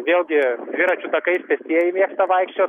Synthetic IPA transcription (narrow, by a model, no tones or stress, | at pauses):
ʋʲeːlˠʲɡʲɪd̪ʲʋʲiːɾɐt͡ʃʲut̪ɐkɐɪspʲɛsʲt̪ʲiɛjɪmʲiɛkst̪ɐʋɐɪkʃʲt͡ʃʲoː